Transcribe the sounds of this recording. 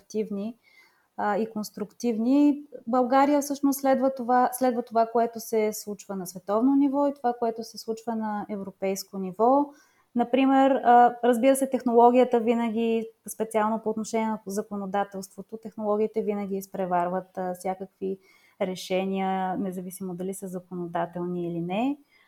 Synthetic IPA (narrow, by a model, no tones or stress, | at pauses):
t̪ivni | ikonst̪ɾukt̪ivnibɐlˠɡaɾijəfsɤʃnost̪lɛd̪vət̪ovaslɛd̪vət̪ovakoɛt̪ʊsɛslˠut͡ʃvənɐsvɛt̪ɔvnonivɔit̪ovakoɛt̪ʊsɛslˠut͡ʃvənɐɛvɾopɛjskonivɔ | nɐpɾimɛɾəɾəzbiɾəsɛt̪ɛxnolˠɔɡʲijət̪əvinəɡ̟ʲispɛt̪sialˠnopoːt̪noʃɛnʲiɛnəzɐkonod̪at̪ɛlˠst̪vot̪ot̪ɛxnolˠɔɡʲiːt̪ɛvinəɡʲispɾɛvaɾvət̪fsʲjakəkvi | ɾɛʃɛniənɛzɐvisimod̪ɐlisəzɐkonod̪at̪ɛlˠniːlinɛ